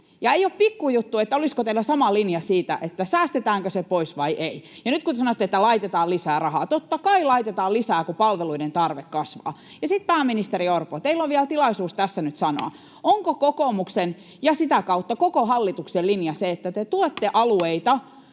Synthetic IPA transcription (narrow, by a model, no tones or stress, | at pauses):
jɑeijoppikːujut̪ːuet̪ːæoliskot̪eilːˑæsɑmɑlinjɑsiːt̪æ̰ʔet̪ːæsæːst̪et̪æːŋkøsepoisʋɑiʔei | jɑnyt̪kut̪esɑnot̪ːet̪ːælɑit̪et̪ɑːlisæːrɑhɑːt̪ot̪ːɑkɑilɑit̪et̪ɑːlisæːkupɑlʋeluident̪ɑrʋekːɑsʋɑ̰ː | jɑsit̪̚pæːminist̪eriorpot̪eilːoʋiælt̪ilɑisuːst̪æsːænyt̪sɑno̰ɑ̰ | oŋkokokomuksen | jɑsit̪ækɑut̪ːɑkokoɦɑlːit̪ukselinjɑseet̪ːæt̪et̪uot̪ːeʔɑlueit̪ɑ